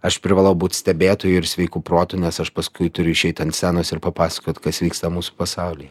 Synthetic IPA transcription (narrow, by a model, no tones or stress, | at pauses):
ɐʃpʲɾʲɪʋɑːlˠɐʊbuːt̪ʲsʲt̪ʲɛbʲeːt̪oːjʊɪɾsʲʋʲɛɪkuːpɾoːt̪ʊnʲɛsɐʃpɐskʊɪt̪ʊɾʲʊɪʃʲɛɪt̪ɐnt̪sʲæːnoːsɪɾpɐpɑːsɐ̥koːt̪kɐsʋʲiːkst̪ɐmuːsu̥pɐsɑʊlʲiː